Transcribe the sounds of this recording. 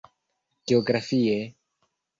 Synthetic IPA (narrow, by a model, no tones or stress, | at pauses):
ɡ̥eoɡɾafie